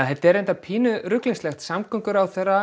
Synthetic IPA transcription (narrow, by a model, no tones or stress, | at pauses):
ahɛt̪ɛɾejnt̪apʰiːnʏɾʏklinslɛxt̪samkʰʏŋkʏɾawθɛrːa